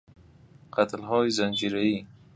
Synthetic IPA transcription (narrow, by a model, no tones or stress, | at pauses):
qat̪lɦɔjzand͡ʒiɾai